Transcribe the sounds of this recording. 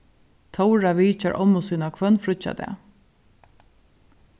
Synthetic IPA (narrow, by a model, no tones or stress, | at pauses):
t̪ʰɔwɾaʋiːt͡ʃaɹʔɔmːʊsiːnakʰvœnfɾʊt͡ʃa̰d̪ɛ̰